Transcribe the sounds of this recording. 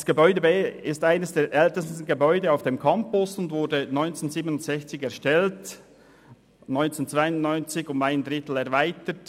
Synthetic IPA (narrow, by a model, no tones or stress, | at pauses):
d̥sɡ̥əbɔʏdəbeɪstaɪnəsd̥eːɾʔɛltəstn̩ɡebɔʏdəaʊfd̥eːmkʰɑmpʊsʊndvʊɾdənɔʏnt͡senziːbənʊntz̥ɛçt͡sɪçɛʁʃtɛlt | nɔʏnt͡sent͡svaɪʊnnɔʏnt͡sɪçʊmaɪndɾɪtl̩ɛɐʁvaɪtət